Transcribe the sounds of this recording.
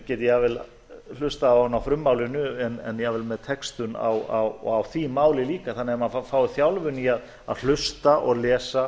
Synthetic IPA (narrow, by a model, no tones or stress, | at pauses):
cɛːt̪ɪjɛvɪl | l̥ʏst̪aahanːawfɾʏmːawlɪnʏɛnɛnjɛvɪlmɛðt̪ʰɛkst̪ʏna̰wawɔɣawθimaːwlɪliːkaθanːɪɛmaafaːwθjawlvʏniað | a̰ðl̥ʏst̪aʔɔɣlɛːsa